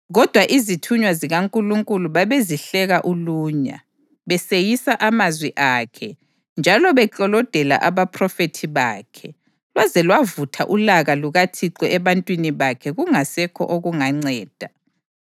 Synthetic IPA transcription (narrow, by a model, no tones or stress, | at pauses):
ɣɔd̥ʱwaʔizitʰuɲwaziɣaŋkʼuluŋkʼuluβaβeziɬɛɣaʔuluːɲa̰ | βɛsejisaʔamazwiʔaːkʰɛ | nd͡ʒʱalɔβɛǃɔlɔd̥ʱɛla̰ʔaβapʰrɔfetʰiβaːkʰɛ | lwazɛlwavutʰaʔulaɣaluɣatʰiǀɔɛβantʼwiniβakʰɛɣuŋasɛkʰɔ̰ʔoɣuŋaŋ͡ǀɛːd̥ʱa